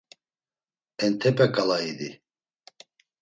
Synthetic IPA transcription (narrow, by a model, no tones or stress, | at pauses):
ɛnt̪ʰɛpʼɛkʼalaid̪i